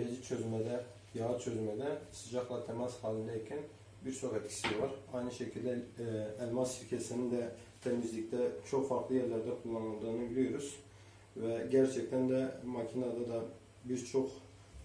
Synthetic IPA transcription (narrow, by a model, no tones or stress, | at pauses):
ɾed͡ʒit͡ʃʰøzmɛd̪ɛ | jɑɯt͡ʃʰøzmɛd̪ɛsɯd͡ʒɑχlˠɑt̪ʰɛmɑzhɑːlʲˠind̪ɛjicʲʰɛn | biɾt͡ʃ̪ʰokɛt̪cʰi̥sivɑɾɑjnɯʃɛcʰilʲd̪ɛːlʲmɑsʃiɾcʲʰɛsinind̪ɛ | t̪ʰɛmizlʲicʲt̪ɛt͡ʃʰo̞χfɑɾklˠɯjɛɾlʲæɾd̪ɛkʰulˠːɑnɯnˠd̪ɑnojlʲˠyjoɾuz̥ | vɛɟæɾt͡ʃʰɛc̚t̪ʰænd̪ɛmɑcʰinɑd̪ɑd̪ɑ | bizt͡ʃʰoq